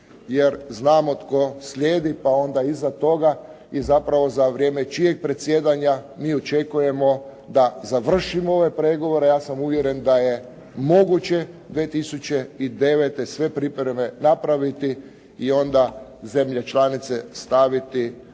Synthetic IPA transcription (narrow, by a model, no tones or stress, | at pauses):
jeɾznaːmo̞t̪ko̞sʎʲjeːd̪ipao̞nd̪aizat̪o̞ɡa | izapɾaʋo̞zaʋɾje̞ːmet͡ʃijeɡ̚pɾet̪sje̞d̪aɲamiːot͡ʃe̞kuje̞mo̞ | d̪azaʋr̩ʃimoo̞ʋe̞pɾeɡo̞ʋo̞ɾe̞jaːsamuʋje̞ɾe̞nd̪aje | mo̞ɡut͡ɕe̞ | d̪ʋet̪isut͡ɕe̞id̪e̞ʋet̪e̞sʋe̞pɾipɾeme̞napɾaʋit̪i | io̞nd̪aze̞mʎet͡ʃlanit̪se̞st̪aʋit̪i